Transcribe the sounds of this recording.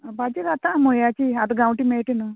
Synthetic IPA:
bɐd͡ʒiɾɐt̪ːamujaːt͡ʃiɐd̪uɡɐwʈimeːʈinu

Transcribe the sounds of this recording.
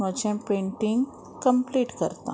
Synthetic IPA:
ət͡ɕẽpẽɳʈiŋɡ | kəmpliːʈkə̰ɾt̪ã̰

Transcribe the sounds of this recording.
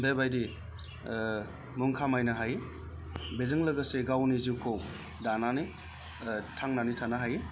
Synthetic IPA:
dajbajdi | muŋkʰamajnaɦaj | bezɯŋlɐɡɐseɡawniziwkʰow | danani | tʰaŋnanitʰanaɦaj

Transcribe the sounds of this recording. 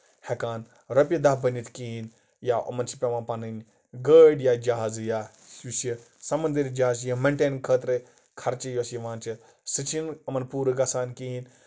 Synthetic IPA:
hekaːn | ɾɐpʲjid̪aɦbɐnit̪kiɦin | jaɐ̰mɐnsipʲɐmãːpɐnɨnʲ | ɡəːɖjad͡ʒaɦaːzja | usjɐ | sɐmɐnd̪iɾʲd͡ʒaɦaːzjɐmɐɳʈeːnkʰəːt̪ɾe | kʰɐɾt͡ʃijosjɐʋãːnt͡ʃʰi | sɨt͡ʃʰinɐmɐnpuːɾɨɡɐsaːnkiin

